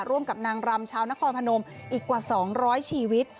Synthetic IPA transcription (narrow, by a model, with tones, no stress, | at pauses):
ɾu˥˩əmka˨˩p̚naː˧ŋɾa˧mt͡ɕʰaː˧wna˦˥kʰɔː˧npʰa˧no˧mʔiː˨˩kːwaː˨˩sɔː˩˦ŋɾɔː˦˥jt͡ɕʰiː˧wi˦˥t̪̚